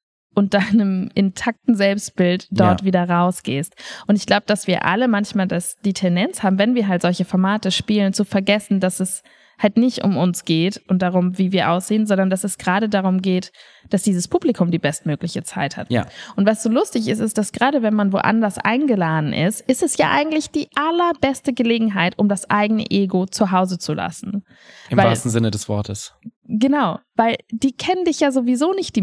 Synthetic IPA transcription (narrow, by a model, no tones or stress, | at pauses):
ʔʊnt̚d̥aɪnəmʔɪntʰak̚tn̩zɛlpst̚b̥ɪltd̥ɔɐtv̥iːdɐʁaʊsɡ̥eːstʔʊntɪçɡ̥laʊbəd̥asv̥iːɐʔa̰ləmançmaːldasd̥iːtʰɛndɛnt͡shaːbm̩vɛnviːɐɦaltz̥ɔlçəfɔɐmaːtəʃpiːlənt͡sufɛɐɡɛsn̩dasɛs | haltnɪçtʔʊ̰mʊnsɡ̥eːtʔʊnt̚d̥aʁʊmviːviːɐʔaʊsz̥eːənzɔndɐndasɛsɡ̥ʁaːɾədaʁ̞ʊmɡeːt | d̥asd̥iːzəspʰuːblikʰʊmdiːbɛst̚møːklɪçət͡saɪtha̰tja̰ʔʊntv̥asz̥oːlʊstɪçɪstɪstd̥asɡ̥ʁaːɾəvɛnmanvo̰ːʔa̰ndɐsʔa̰ɪnɡəlaːdn̩ʔɪ̰stʔɪstɛsja̰ːʔa̰ɪɡŋ̩tlɪçd̥iːʔalɐbɛstəɡəleːɡŋ̩ɦaɪtʔʊmdasʔa̰ɪɡənə̰ʔeːɡot͡suɦaʊzət͡sula̰sn̩ | ɪmvavɪa̰ːlstn̩zɪnədɛsv̥ɔ̰ɐtʰəsɡənaʊvaɪld̥iːkʰɛnəndɪçjaːzovizoːnɪçt̚d̥iː